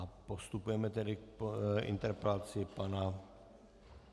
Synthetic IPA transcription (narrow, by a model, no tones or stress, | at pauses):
apost̪upujɛmɛt̪ɛdɪk̚ʔɪ̰nt̪ɛɾpɛlat͡sɪpana